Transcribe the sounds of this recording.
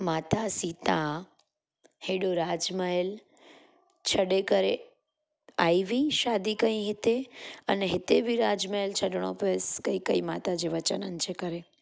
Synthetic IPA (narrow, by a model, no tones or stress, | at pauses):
mat̪asit̪ã | heɖoɾad͡ʒməel | t͡ʃʰəɽekəɾe | ajʋĩʃad̪ikə̃ĩɦɪt̪eəneɦɪt̪ebʱiɾad͡ʒməelt͡ʃʰəɖɳ̃o̰peskəikəimat̪ad͡ʒeʋət͡ʃənənt͡ʃekəɾe